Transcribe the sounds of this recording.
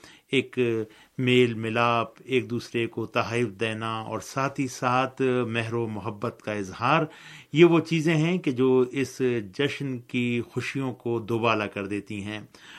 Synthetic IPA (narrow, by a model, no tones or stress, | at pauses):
eːk | meːlmɪlaːpeːk̚d̪uːsɾekot̪ɐɦaːɪfd̪eːnaɔ̰ːɾsaːt̪ʰisaːt̪ʰmɛɦɾomʊɦəbːət̪kaɪzɦaːɾjeʋot͡ʃiːzẽɦɛ̃ked͡ʒoːɪsd͡ʒɐʃnkixʊʃijõkod̪ʊːbaːlakɐɾd̪eːt̪iɦɛ̃ː